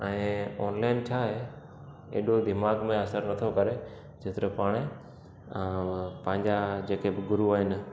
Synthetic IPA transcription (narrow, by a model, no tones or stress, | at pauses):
ɛ̃ːɔːnlaːɪnt͡ɕʰaːɦe | ḛːɗod̪ɪmaːɡmẽɐsəɾnɐt̪ʰokɐɾe | d͡ʑɪt̪ɪɾəpaːɽ̃ẽː | pɐ̃ɦɪ̃ɲd͡ʑad͡ʑeːkebɪɡʊɾuaːɦɪn